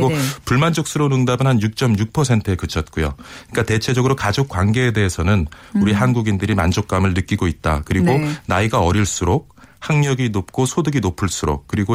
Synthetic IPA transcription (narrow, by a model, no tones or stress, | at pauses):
ɡopuɭmand͡ʑok̚s͈ʰɯɾonɯŋdabɯnhanjuk̚t͡ɕ͈ʌmjuk̚pʰʌsʰe̞ntʰɯekɯt͡ɕʰʌt̚k͈ujo̰ɲik͈ate̞t͡ɕʰe̞d͡ʑʌɡɯɾokad͡ʑok͈̚wanɡe̞ːde̞ɦesʰʌnɯn | uɾiɦanɡuɡindɯɾimand͡ʑok̚k͈amɯɭnɯk͈iɡoit̚t͈akɯɾiɡonaiɡaʌɾiɭs͈uɾok̚haŋɲʌɡinop̚k͈osʰodɯɡinopʰɯɭs͈uɾo̰kk͈ɯɾiɡo